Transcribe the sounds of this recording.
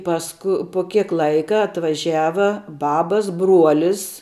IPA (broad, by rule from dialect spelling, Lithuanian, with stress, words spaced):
ˈpɑːskʊ pʊ ˈkʲiɛk ˈlˠɐɪkɐ ɐtʋɐˈʒʲæːʋɐ ˈbɑːbɐs ˈbruɔlʲɪs